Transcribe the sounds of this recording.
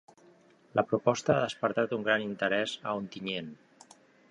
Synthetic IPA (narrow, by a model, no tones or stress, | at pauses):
ləpɾupɔst̪əaðəspəɾt̪at̪uŋɡɾanint̪əɾɛzəont̪iɲen